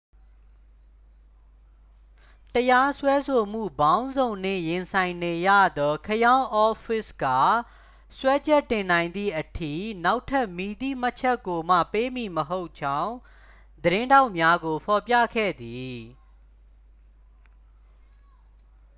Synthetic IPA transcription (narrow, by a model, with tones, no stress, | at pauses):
təja˦swɛ˦so˨m̥ṵ˦˨bã˦ʊ̃nzõ˨ʊ̃n̥ɪ̰̃˦˨jɪ̃˨nsʰã˨ɪ̃ne˨jä̰˦˨d̪ɔ˦kʰəjã˦ʊ̃ʔɔ˦fɪ˦˨sɡa̰˦˨ | swɛ˦d͡ʑɛ˦˨tːɪ̃˨nã˨ɪ̃nd̪ḭ˦˨ʔətʰḭ˦˨na˦ʊtʰːa˦ʔmi˨d̪ḭ˦˨m̥a˦ʔt͡ɕʰɛ˦kːo˨m̥ä̰˦˨pe˦mi˨məɦo˦ʊʔt͡ɕʰã˦ʊ̃ | d̪əɾɪ̃˦nda˦ʊʔmja˦ɡo˨pʰɔ˨pjä̰˦˨kʰɛ̰˦˨d̪i˨